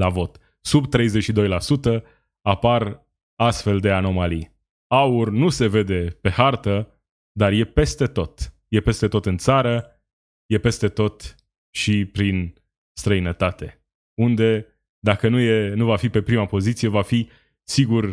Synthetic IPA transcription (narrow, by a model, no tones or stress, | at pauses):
lavo̞t̪ | subt̪ɾe̞jze̞t͡ʃʃid̪o̞jlasut̪ə | apar | ast̪fe̞ld̪e̞ano̞malḭ | aurnuse̞ve̞d̪e̞pe̞hart̪ə | d̪arje̞pe̞st̪e̞t̪o̞t̪je̞pe̞st̪e̞t̪o̞t̪ɨnt̪saɾə | je̞pe̞st̪e̞t̪o̞t̪ | ʃipɾin | st̪ɾəinət̪at̪e̞ | und̪e̞ | d̪akənuje̞nuvafipe̞pɾimapo̞zit̪sije̞vafi | siɡur